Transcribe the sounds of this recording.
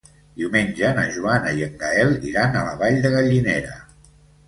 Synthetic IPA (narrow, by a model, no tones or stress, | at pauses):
d̪iuwmenʲd͡ʒənə̰ʒuanəiəŋɡaɛlˠḭɾanələβaʎd̪əɣəʎineɾə̰